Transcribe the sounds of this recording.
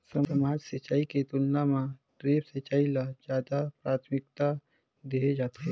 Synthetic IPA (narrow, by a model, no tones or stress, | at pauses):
sɐəmaːd͡ʒsət͡ʃːaːiket̪ʊlnamãʈɾeːpsət͡ʃaːilad͡ʒjaːd̪apɾaːt̪ʰmɪk̚t̪a | d̪eːed͡ʒaːt̪eɦɛ